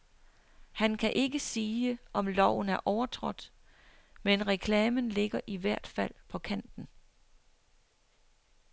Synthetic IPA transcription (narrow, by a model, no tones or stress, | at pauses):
hænkʰæʔe̝ɡəsiːəʔɒ̽mlɒʊ̰n̩æɐʔɒʊɐt͡sʰʁɔ̽d̥ | menʁɛkʰlɛːmənle̝ɡ̥ɐʔiʋæɐ̰d̥fæl̰pʰɒ̽kʰæn̰d̥n̩